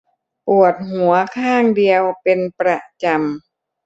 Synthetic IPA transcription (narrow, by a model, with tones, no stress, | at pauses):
pu˨˩ət̪̚ɦu˩˦ɐkʰaː˥˩ŋdi˧əwpe˧npɾa˧˩t͡ɕa˧m